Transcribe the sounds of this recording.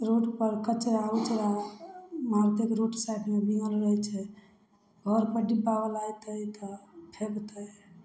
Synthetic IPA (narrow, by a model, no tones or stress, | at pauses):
ɾoʈpəɾkət͡ʃɾabət͡ʃɾa | mɦaɾt̪ekɾoʈsajʈmebiŋɡəlɾəɦɛt͡ʃʰɛ | ɡʱəɾpəɾɖibːabəlajt̪əjt̪ɔpʰekt̪əj